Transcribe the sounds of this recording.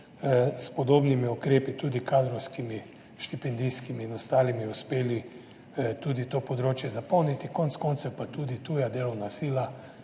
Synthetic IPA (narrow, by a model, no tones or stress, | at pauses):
spɔd̪oːbnimiukɾeːpit̪uːd̪ikaːd̪ɾɔwskimi | ʃt̪ipɛnd̪ijskimiːnɔst̪aːlimiuspeːli | t̪uːd̪it̪oːpɔd̪ɾoːt͡ʃjɛzapɔwnit̪ikont̪skoːnt̪sɛwpat̪uːd̪it̪uːjad̪eːlɔwnasiːla